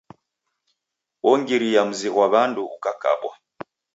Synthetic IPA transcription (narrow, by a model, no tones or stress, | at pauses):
wɔŋɡiɾijam̩ziɣwaβanduːkaka̰ɓwa̰